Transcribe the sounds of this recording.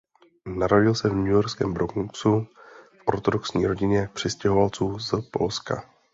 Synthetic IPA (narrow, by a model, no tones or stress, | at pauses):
naɾoɟɪlsɛvɲujoɾskɛ̰ːmbɾokŋksufʔo̞̰ɾt̪odoksɲiːɾo̞ɟɪɲɛjak̚pr̥ɪscɛɦo̞valt͡suːzpo̞̰lska̰